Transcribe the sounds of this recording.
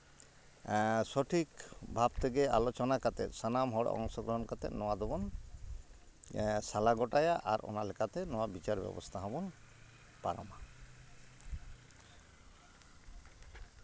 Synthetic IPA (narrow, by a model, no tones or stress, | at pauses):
sɔʈʰikbʱabt̪ʰeɡealot͡ʃɔnakat̪ɛ̰t̪sanamɦɔɽɔ̰ŋsɔɡɾɔɦɔnkat̪ɛ̰nɔwad̪ɔbɔn | salaɡɔʈajaʔaɾʔɔ̰nalɛkʰat̪ɛnɔwabit͡ʃaɾbɛ̰bɔ̰st̪ʰaɦɔbɔn | paɾɔ̰ma